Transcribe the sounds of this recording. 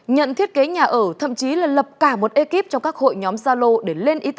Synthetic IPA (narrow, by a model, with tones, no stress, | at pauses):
ɲə̰˧˨nt̪ʰi˦˥ət̚ke˨˦ɲaː˨˩ʔəː˧˩t̪ʰə̰˧˨mt͡ɕi˨˦laː˨˩lə˨˩p̚kaː˧˩mo˨˩t̚ʔe˧ki˦˥p̚t͡ɕɔ˧wŋ͡mkaː˦˥k̚ho̰˧˨jɲɔ˨˦mzaː˧lo˧ɗe˧˩le˧nʔi˨˦t̪̚